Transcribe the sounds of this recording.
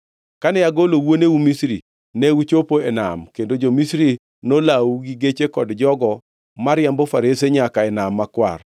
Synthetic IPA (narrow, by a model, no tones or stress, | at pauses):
kanɛjaɡolowoneumisɾi | nɛut͡ʃopoena̰mkendod͡ʒomisɾi | nolawuɡiɡet͡ʃekɔdd͡ʒɔɡɔ | maɾjambofaɾeseɲakaɛnamːakwa̰r